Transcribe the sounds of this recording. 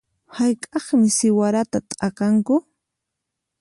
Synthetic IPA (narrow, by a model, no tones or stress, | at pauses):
hajkʼɑχmɪsɪwaɾat̪at̪ʼakaŋkʊ